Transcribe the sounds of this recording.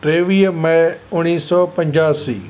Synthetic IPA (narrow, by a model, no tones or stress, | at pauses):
ʈɾeːʋiːəmɐʊñiːsɔːpɐ̃ɲd͡ʑaːsḭː